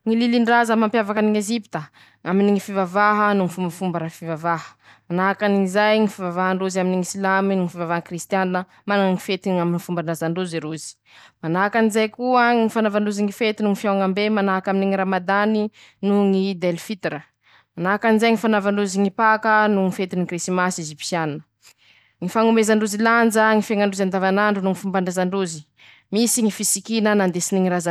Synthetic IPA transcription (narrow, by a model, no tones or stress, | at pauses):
ŋililiɳɖ͡ʐazəmampjavakəniŋezipi̥t̪ə | aminiŋifivavaɦənuŋifumbəfumbəɾafivavaɦə̥ | manaakaniŋizajŋifivavaɦaɳɖ͡ʐuzaminiŋisilaminuŋifivavaɦəkrist̪janːə | manaŋŋifet̪iaminifumbanazaɳɖ͡ʐuziɾuzi̥ | manakanizajkuəŋifanavaɳɖ͡ʐuziŋifet̪inuŋifjawŋambemanakaminiŋiɾamad̪ani | nuŋid̪elfit̪iɾə | manakanizajŋifanavaɳɖ͡ʐuziŋipakənuŋifet̪inikrisimasizipi̥sjanːə̥ | ŋifaŋumezaɳɖ͡ʐuziland͡zəŋifeŋaɳɖ͡ʐuzand̪avanaɳɖ͡ʐunuŋifumbaɳɖ͡ʐazaɳɖ͡ʐuzi | misiŋifisikinənand̪esiniŋiɾaza